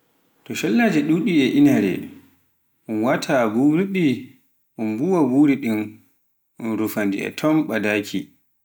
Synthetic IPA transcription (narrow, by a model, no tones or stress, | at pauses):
tɔʃɔlːad͡ʒɛɗuɗiɛʔinhaɾɛ̰ | ʔunwatʰabuɾiɓi | ʔunbuwabuɾiɗin | ʔunɾufandḭɛ̰tʰɔmɓadaːkʰi